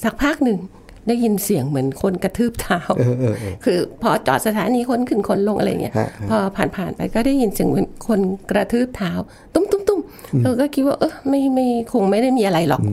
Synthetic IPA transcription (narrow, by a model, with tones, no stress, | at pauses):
saː˨˩k̚pʰaː˥˩k̚nɯ˨˧ŋ | daː˥˩jːi˧nsi˨˩əŋmɯ˩˦ənkʰo˧nka˧t̪ʰɯː˥˩p̚t̪ʰaː˧˦˥wʔkʰɯː˧pʰɔː˧t͡ɕɔ̰ː˨˩t̪̚sa˧t̪ʰaː˨˦niː˧kʰo˧˥˨nkʰɯ˧˩nkʰo˧nlo˧ŋʔɾj̰ŋ˧i˥ɐ˧pʰɔː˧pʰaː˨˩npʰaː˨˩npa˧jkɔː˥˩da˥˩ji˧nsi˨˦əŋmɯ˨˩˦ənkʰo˧nkɾa˧t̪ʰɯː˥˩p̚t̪ʰaː˧˥w | t̪u˥˩˨mt̪u˥˩˨mt̪u˥˩maː˧kɔː˥˩kʰi˦t̪̚waː˥˩ʔɤː˧˥˩ma˥˩jma˥˩jkʰo˧ŋma˥˩jda˥˩jmiː˧ʔa˧ɾa˧jlɔ̰˨˩k̚